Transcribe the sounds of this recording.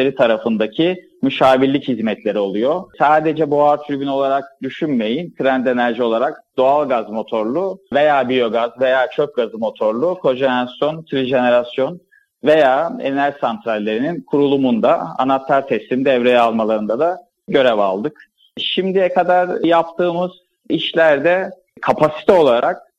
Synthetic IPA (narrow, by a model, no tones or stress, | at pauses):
eɾit̪ʰaɾafɯnd̪acʰi | myʃaːbilʲːichizmɛt̪ʰlʲe̞ɾio̞lˠujo̞saːd̪e̞d͡ʒɛbuaɾt̪ʰyɾbyno̞lˠaɾak̚d̪̥yʃynme̞jint̪ʰɾænd̪e̞næɾʒio̞lˠaɾak̚d̪o̞alˠɡazmo̞t̪ʰo̞ɾlˠuve̞jaːbijo̞ɡazve̞jaːt͡ʃʰøp̚ɡazɯmo̞t̪ʰo̞ɾlˠukʰo̞ʒenasjo̞nt̪ʰɾiʒe̞ne̞ɾasjo̞n | ve̞jaːḛnæʒsant̪ʰɾalʲːe̞ɾininkʰuɾulˠumund̪aa̰nat̪ʰːaɾt̪ʰɛsimd̪ɛvɾejɛalˠmalˠaɾɯnd̪ad̪a | ɟø̞ɾɛva̰lˠd̪ɯk | ʃimd̪ijɛkʰad̪aɾjap̚t̪ʰɯːmɯz̥ | iʃlʲæɾd̪ɛ | kʰapʰasi̥t̪ʰɛo̞lˠaɾʔak̚